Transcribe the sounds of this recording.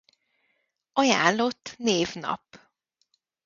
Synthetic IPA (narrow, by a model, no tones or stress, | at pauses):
ɒja̰ːllo̞t̪ːneːvnɒ̰p